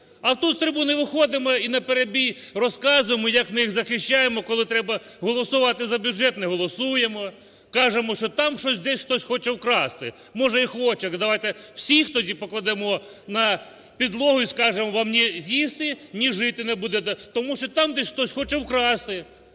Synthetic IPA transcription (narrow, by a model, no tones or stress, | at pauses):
ɐwt̪ut̪st̪ɾɪbunɪʋɪxɔd̪ɪmɔinɐpeɾebʲij | rɔskɑzʊjemɔjɐkmɪjixzɐxɪʃʲt͡ʃajemɔkɔlˠɪt̪ɾɛbɐɦɔlˠɔsʊʋɑt̪ɪzɐbʲjuʒɛt̪nɛɦɔlˠɔsujemɔ | kɑʒemɔʃt͡ʃɔt̪ɑmʃɔsʲd̪ɛsʲxt̪ɔsʲxɔt͡ʃɛwkɾɑst̪ɪ | mɔʒɛixɔt͡ʃɛd̪ɐʋajt̪ɛw̥sʲixt̪ɔdʲipɔklˠɐd̪ɛmɔ | nɐ | pʲid̪lˠɔɦʊjiskɑʒemɔʋɑmnʲijist̪ɪnʲiʒɪt̪ɪnɛbud̪ɛt̪ɛt̪ɔmuʃt͡ʃɔt̪amd̪ɛsʲxt̪ɔsʲxɔt͡ʃɛwkɾɑst̪ɪ